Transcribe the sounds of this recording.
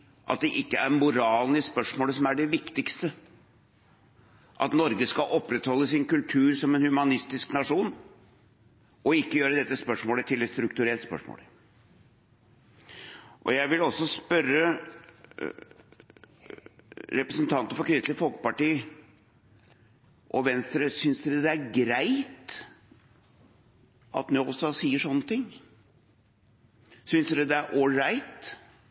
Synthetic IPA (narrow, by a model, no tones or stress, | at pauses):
ʔɑ̰t̪̚d̪ɛʔɪkːəæɾmʊɾɑːlnɪspœʂmoːləsɔmæɖɛʋɪkt̪ɪkst̪ə | ʔɑ̰t̪nɔɾɡəskɑʔɔpːɾɛt̪hɔlːəsɪnkʉlt̪ʰʉːɾsɔmɛnhʉmɑnɪst̪ɪsknɑʂuːn | ʔɔɪkːəjøːɾəd̪ɛt̪ːəspœʂmoːlət̪ʰɪlɛt̪st̪ɾʉkt̪ʉɾɛlt̪spœ̰ʂmo̰ːl | ʔɔ̰jæɪʋɪlɔsːɔspœɾə | ɾɛpɾəsənt̪ʰɑnt̪əfɔɾkʰɾɪst̪ləfɔlkə̥pɑʈiː | ʔɔʋɛnst̪ɾəsʏnsd̪ɛd̪ɛæɾɡɾæɪt̪ | ʔɑ̰t̪noʊst̪ɑsiːəʂɔnːət̪ʰɪŋː | sʏnsd̪ɛd̪ɛæɾʔoɾæɪt̪